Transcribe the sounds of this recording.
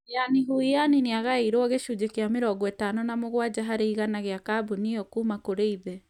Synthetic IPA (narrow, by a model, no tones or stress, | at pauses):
janiɦujanineaɣaeiɾwɔɣeʃud͡ʒekeameɾɔɡɔɛtanonamoɣwad͡ʑaɦaɾeiɣanaɣeakabuniɔkuːmakoɾeiðɛ